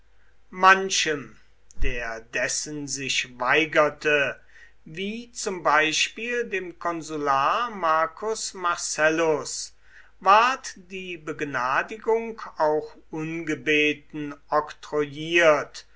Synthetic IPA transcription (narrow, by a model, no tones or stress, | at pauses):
manʃəm | d̥eːɐdɛsənzɪʃvaɪɡɐtʰə | viːt͡sʊmbaɪʃpiːldeːmkɔnzulaːmaɐkʰʊsmaɐsɛlʊs | vaɐtd̥iːbəɡnaːdɪɡʊŋkaʊxʔʊnɡəbeːtn̩ɔktʁojiːɐt